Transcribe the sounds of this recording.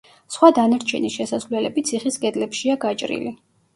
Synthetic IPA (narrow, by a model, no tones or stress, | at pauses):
sχwad̪anaɾt͡ʃʰɛniʃɛsasvlɛlɛbit̪sʰiχiskʼɛd̪lɛpʃiaɡat͡ʃʼɾḭli